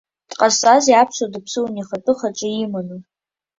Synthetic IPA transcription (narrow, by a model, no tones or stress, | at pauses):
tʼqʼasʼaziapʰʂʷadɨpʰsɨwaniχatʼɨχaʈ͡ʂʼɪimanɨ